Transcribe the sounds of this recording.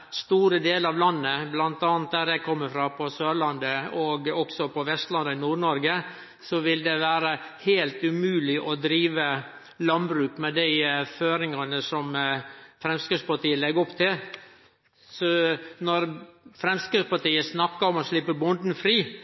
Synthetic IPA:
st̪uːɾəd̪eːlɑʋlɑnːəblɑnt̪ɑːnt̪̚d̪æɾjæɪkʰɔmːəfɾɑpʰɔsøːɾɭɑnd̪əɔɡɔksɔpʰɔʋɛst̪lɑnd̪əɪnuːɾɳɔɾɡə | sɔʋɪld̪ɛʋæːɾəhæːlt̪ʉmʉːlɪʔɔd̪ɾiːʋə | lɑnbɾʉːkmɛd̪æɪføːɾɪŋɑnəsɔmfɾɛmskəspɑʈiːəlɛɡɔpt̪ʰɪl | sɔnɔɾfɾɛmskəspɑʈ̪iːəsnɑkːɑɔmɔʂlɪpːəɾbʊnd̪n̩fɾiː

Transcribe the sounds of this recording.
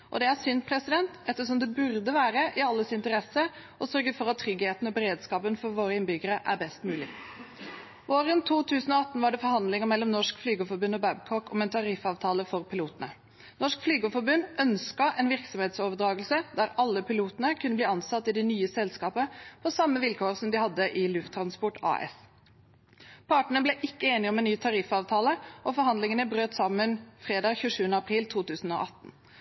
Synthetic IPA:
ʔɔ̰d̪ɛæɾsʏnt̪pʰɾɛsɪd̪ɛnt̪ɛt̪ːəʂɔmd̪ɛbʉɾd̪əʋæːɾəʔɪɑlːəsɪnt̪əɾɛsə | ʔɔsœɾɡəfɔɾɑt̪ʰːɾʏɡheːt̪n̩ɔbɛɾeːd̪skɑːpənfɔɾʋoːɾəɪnbʏɡəɾəʔæ̰ɾbɛst̪mʉːlɪ | ʋoːɾənt̪ʰuːt̪ʰʉːsənɔɑt̪ːnʋɑɖɛfɔɾhɑnd̪lɪŋəmɛlːɔmnɔʂkflyːɡəfɔbʉnːɔbæbkʰɔkʰɔmɛnt̪ʰɑɾɪfɑːʋt̪ʰɑːləfɔɾpɪluːt̪ənə | nɔʂkflyːɡəfɔɾbʉnːœnskɑʔɛnʋɪʁksɔmheːt̪soːʋəd̪ɾɑːɡəlsəd̪æɾɑlːəpʰɪluːt̪ənəkʰʉnəbliːɑnsɑt̪ːɪd̪ɛnyːəsɛlskɑːpəpʰɔsɑmːəʋɪlkʰoːʁsɔmd̪ɪhɑd̪ːəʔɪlʉft̪ʰːɾɑnspɔʈɑ̰ːɛ̰s | pʰɑʈɳ̩əblɛʔɪkːəeːnɪəɔmɛnnyːt̪ʰɑɾɪfɑːʋt̪ʰɑːləʔɔfɔɾɦɑnd̪lɪŋənəbɾøːt̪sɑmːənfʁeːd̪ɑːɡçʉːʂʉːənəɑpʰʁiːlt̪ʰuːt̪ʉːsən̩o̰ʔɑt̪ːn̩

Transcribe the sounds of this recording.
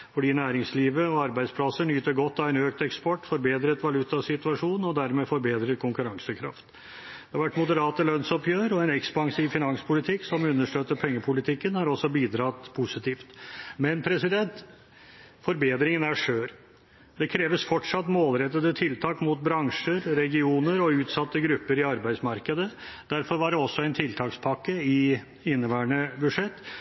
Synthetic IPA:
fɔɖiːnæːɾɪŋsliːʋəɔɑɾbæɪd̪spʰlɑsəɳyːt̪əɾɡɔt̪ːɑʋɛnøːkt̪ɛkspɔʈːfɔɾbeːd̪ɾət̪ʋɑlʉt̪ɑsɪt̪ʉɑʂuːnɔd̪æɾmɛfɔɾbeːd̪ɾət̪̚kʰʊŋkʉɾɑŋsəkʰɾɑ̰ft̪ | d̪̥ɛhɑɾʋæʈːmʊd̪əɾɑːt̪əlœnsɔpjøːɾɔɛnɛkspɑŋsiːʋfɪnɑŋspʰʊlɪt̪ʰɪksɔmʉnːəʂʈøːt̪ːəɾpʰɛŋːəpʰʊlɪt̪ʰɪkːənhɑɾɔsːɔbiːd̪ɾɑt̪pʰusɪt̪ʰiːft̪mɛnpʰɾɛsɪd̪ɛnt̪ | fɔɾbeːd̪ɾɪŋənæʂøːɾ | d̪ɛkʰɾeːʋəsfɔʈʂɑt̪ːmoːlɾɛt̪ːəd̪ət̪ʰɪlt̪ʰɑːkmʊt̪̚bɾɑŋʂəɾɾɛɡɪuːnəɾɔʉːt̪sɑt̪ːəɡɾʉpːəɾɪɑɾbæɪsmɑɾkəd̪əd̪̥æɾfɔɾʋɑɖɛɔsːɔæɪnt̪ʰɪlt̪ʰɑːkspʰɑkːəɪ | ɪnːəʋæːɳəbʉʂɛt̪ː

